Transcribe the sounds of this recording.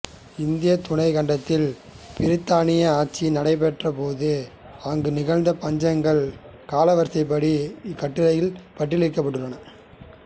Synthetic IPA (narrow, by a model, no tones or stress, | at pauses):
ɪnd̪ɪjɐt̪ʊɳɐɪkɐɳɖɐt̪ːɪl | pɪɾɪt̪ːaːnɪjɐaːʈ̚t͡ʃːinɐɽɐɪp̬ɛʈrɐpoːðɯ | aːŋɡɯnɪɣɐɻnd̪ɐpɐɲd͡ʒɐŋɡɐɭ | kaːlɐʋɐɾsɐɪp̬ːɐɽiɪkːɐʈːɯɾɐjɪlpɐʈːɪlɪɾkːɐpːɐɽːɯlːɐnɐ